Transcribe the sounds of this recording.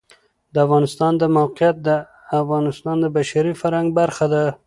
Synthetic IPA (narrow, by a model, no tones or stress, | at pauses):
d̪əafɣɑnɪst̪ɑnd̪əmawqjat̪̚d̪ə | afɣɑnɪst̪ɑnd̪əbaʃaɾifaɾhaŋɡ̚baɾxad̪a